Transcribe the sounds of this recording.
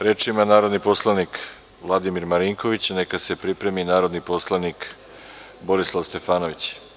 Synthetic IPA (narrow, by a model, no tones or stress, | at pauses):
ɾeːt͡ʂimanaːɾo̞d̪nipo̞slˠanik | ʋlˠad̪imiɾmaɾiŋko̞ʋit͡ɕnekase̞pɾipɾe̞minaːɾo̞d̪nipo̞slˠanik | bo̞ɾislˠaʋst̪e̞faːnoʋit͡ɕ